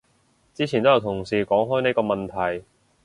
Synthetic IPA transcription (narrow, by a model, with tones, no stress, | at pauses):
t͡siː˥t͡sʰi˨nt̪o˥jɐ˨˧wt̪ʰʊ˨˩ŋsiː˨˩kɔː˨˥ŋɦɔː˥ne˧˥jkɔː˧mɐ˨nt̪ʰɐ˨˩j